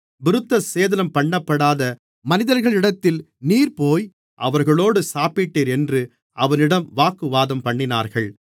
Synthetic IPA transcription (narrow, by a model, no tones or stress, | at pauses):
bɪɾɯt̪ːɐseːðɐlɐmpɐɳːɐpːɐɽaːðɐ | mɐnɪðɐɾɣɐɭɪɽɐt̪ːɪl | niːɾpoːj | ʔɐ̰ʋɐɾɣɐɭoːɽɯsaːpɪʈːeːɾɛndrɯ | ʔɐʋɐnɪɽɐmʋaːkːɯʋaːðɐmpɐɳːɪna̰ːɾɣɐɭ